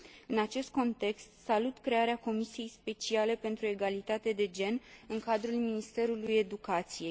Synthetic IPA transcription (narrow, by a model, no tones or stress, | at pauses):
ɨnat͡ʃe̞st̪̚ko̞nt̪e̞kst̪salut̪kɾe̞aɾeako̞misije̞jspe̞t͡ʃiale̞pe̞nt̪ɾue̞ɡalit̪at̪e̞d̪e̞d͡ʒe̞nɨŋkad̪ɾulminist̪e̞ɾuluje̞d̪ukat̪sije̞j